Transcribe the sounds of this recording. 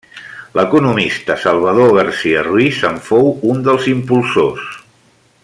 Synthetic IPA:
ləkunumist̪əsəlˠβ̞əðoɣəɾsiərwizəɱfowund̪əlˠzimpulˠsos

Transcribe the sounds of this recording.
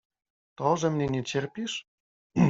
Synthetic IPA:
t̪olʒɤ̆mnenʲet͡ɕerpiʃ

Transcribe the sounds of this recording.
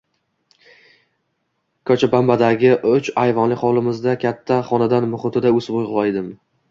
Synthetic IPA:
kʰɒt͡ʃʰabambad̪aɡʲɪʔʊt͡ʃajvɒnlɪχɒlˠɪmɪzd̪akʲʰat̪ʰːaχɒnad̪anmʊχʊt̪ʰɪd̪aɵsbojʁlˠajd̪ɪm

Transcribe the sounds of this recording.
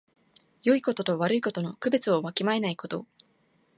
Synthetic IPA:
jo̞iko̞t̪o̞t̪o̞βaɾɯ̟iko̞t̪o̞no̞kɯ̟be̞t͡sɨo̞βakʲimaenaiko̞t̪o̞̰

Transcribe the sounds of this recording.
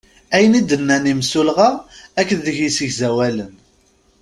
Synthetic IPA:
æjənid̪ənːænimsulʁaækːənðəʝisəʝzæwælən

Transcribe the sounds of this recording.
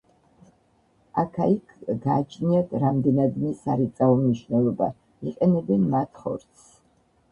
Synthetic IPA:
akʰaikʰɡaːt͡ʃʰniat̪ʰɾamd̪ɛnad̪mɛsaɾit̪sʼaɔmniʃwnɛlˠɔba̰ | iqʼɛnɛbɛnmat̪ʰχɔ̰ɾt̪sʰ

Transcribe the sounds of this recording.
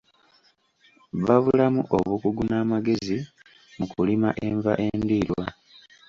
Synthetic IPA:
βaβulamuʔoβukuɡunaːmaɡe̞zi | mukulimaʔe̞ɱva̰ʔe̞ndiːɾwa

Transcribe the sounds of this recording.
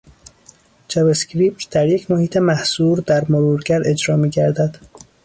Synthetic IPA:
d͡ʒæbescɾiːp̚t̪d̪̥æɾje̞cʰmohiːt̪ʰe̞mæhsuːɾd̪æɾmoɾuːɾɡæɾe̞d͡ʒɾɒːmiːɟæɾd̪æd̪̥

